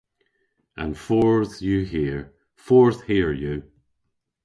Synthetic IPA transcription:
ə̰̃nfɔɹðjəɦiɹ | fɔɹθhiəɹjə

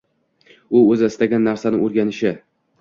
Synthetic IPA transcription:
ʊɵzɪɪst̪aɡʲanːaɾsanɪŋoɾɡʲanɪʃɪ

